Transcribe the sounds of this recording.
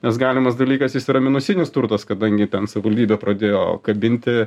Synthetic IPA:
nʲɛsɡɑːlʲɪmɐsd̪ɐlʲiːkɐsjɪsiɾɐmʲɪnʊsʲɪnʲɪst̪ʊɾt̪ɐskɐd̪ɐŋʲɡʲɪt̪ʲɛnsɐʋʲɪʋɐlʲd̪ʲiːbʲɛːpɾɐd̪ʲeːjo̰ːkɐbʲɪnʲt̪ʲɪ

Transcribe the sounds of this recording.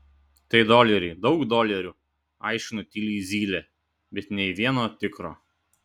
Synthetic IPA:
t̪ɐɪd̪oːlʲɛɾʲɛɪd̪ɒʊkd̪oːlʲɛɾʲuː | ɑˑɪʃʲkʲɪnuˑt̪ʲɪlʲiːzʲiːlʲɛ | bʲɛt̪nʲɛɪʋʲiɛnoːt̪ʲɪkɾo̰ː

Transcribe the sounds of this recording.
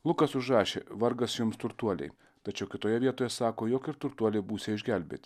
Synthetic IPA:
lˠʊkɐsʊʒɾɑːʃʲḛːʋɐɾɡɐsjʊmst̪ʊɾt̪uɔlʲɛ̰ɪ | t̪ɐt͡ʃʲɛʊkʲɪt̪oːjɛʋʲiɛt̪oːjɛsɑːkoːjoːkɪɾt̪ʊɾt̪uɔlʲɛɪbuːsʲeːɪʒʲɡʲælʲbʲḛːt̪ʲ

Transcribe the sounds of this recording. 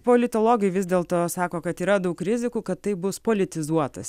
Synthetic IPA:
poːlʲɪt̪oːlˠoːɡʲɛɪʋʲɪzʲd̪ʲeːlˠt̪oːsɑːkoːkɐt̪iːɾɐd̪ɐʊkɾʲɪzʲɪkuːkɐt̪t̪ːɐɪbʊspoːlʲɪt̪ʲɪzuɔt̪ɐs

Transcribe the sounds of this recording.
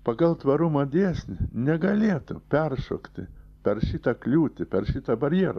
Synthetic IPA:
pɐɡɐlˠt̪ʋɐɾʊmɐd̪ʲeːsʲnʲɪnʲɛɡɐlʲeːt̪ʊpʲɛrʃo̰ːkt̪ʲɪpʲɛrʃʲit̪ɐklʲuːt̪ʲɪpʲɛrʃʲit̪ɐbɐɾʲjɛɾɐ

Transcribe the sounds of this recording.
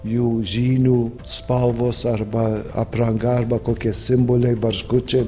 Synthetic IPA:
juːʒʲiːnʲuː | spɐlˠʋoːsɐɾbɐɐ̰pɾɐŋɡɐɐɾbɐkoːkʲiɛsʲɪmboːlʲɛɪbɐrʒɡʊt͡ʃʲɛɪ

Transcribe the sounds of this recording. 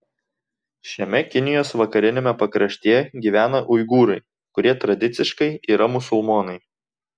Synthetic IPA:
ʃʲɛmʲɛkʲɪnʲɪjoːsʋɐkɐɾʲɪnʲemʲɛpɐkɾɐʃʲt̪ʲeːɡʲiːʋʲæːnɐʔʊɪɡuːɾɐɪ | kʊɾʲiɛt̪ɾɐd̪ʲɪt̪sʲɪʃkɐɪiːɾɐmʊsʊlˠmoːnɐɪ

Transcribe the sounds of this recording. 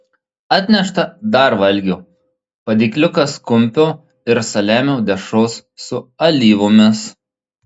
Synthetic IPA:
ɑːt̪ʲnʲɛʃt̪ɐd̪ɐɾʋɐlʲɡʲoː | pɐd̪ʲiːklʲʊkɐskʊmʲpʲoː | ɪɾsɐlʲæːmʲɛʊd̪ʲɛʃoːsːʊɐlʲiːʋʊmʲɪs

